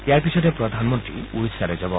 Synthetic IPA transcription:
eaɾpisʰɔtepɾɔd̪ʱanmɔnt̪ɾḭuɾisaɾed͡ʒabɔ

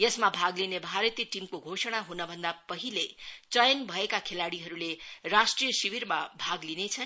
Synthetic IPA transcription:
jʌsmabʱaɡlinebʱaɾʌt̪ijʈimkoɡʱosʌɽ̃aɦunʌbʱʌnd̪apʌɦilet͡sʌjʌnbʱʌekakʰelaɽiɦʌɾulerasʈrijʌsiwiɾmabʱaɡlinet͡sʰʌn

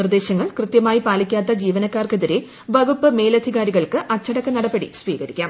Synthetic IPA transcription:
nird̪e̞ːɕɐŋːɐɭkrɨt̪jɐmaːjipaːlikʲːaːt̪̬ːɐd͡ʑiːʋɐnɐkːaːrkeðiɾe | ʋɐɡupːɨme̞ːlɐd̪ʱiɣaːɾiɣɐɭkɨʔɐt͡ɕːɐɽɐkːɨnɐɽɐbeɽḭsʋiːɣɐɾikʲːaːm

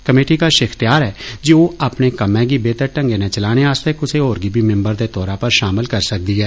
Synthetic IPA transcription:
kəmeːʈiːkaːʃɪkʰt̪ɪjaːɾɛːd͡ʒiːoːaːpnẽːkəmɛ̃ːɡiːbeːt̪əɾʈəŋɡeːnẽːt͡ʃəlaːɽ̃eːaːst̪eːkʊseːɦoːɾɡiːbʱiːmɪ̃mbəɾd̪eːt̪ɔːɾãːpəɾʃaːməlkəɾsək̚d̪iːɦɛː

